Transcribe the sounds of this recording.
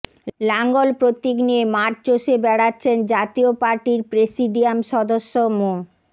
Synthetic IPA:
laŋɡolpɾot̪ːikniemaɾt͡ɕoʃebɛɽatːɕʰend͡ʑat̪iopaɾʈiɾpɾesiɖiamʃɔd̪oʃːomo

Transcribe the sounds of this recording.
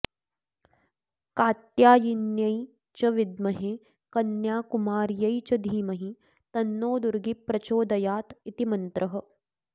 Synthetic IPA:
kaːt̪jaːjinjɐji | t͡ʃɐʋid̪mɐɦe | kɐnjaːkumaːɾjɐit͡ʃɐd̪ʱiːmɐɦi | t̪ɐnːoːd̪uɾɡipɾɐt͡ʃoːd̪ɐjaːt̪it̪imɐnt̪ɾʔɐɦ̆

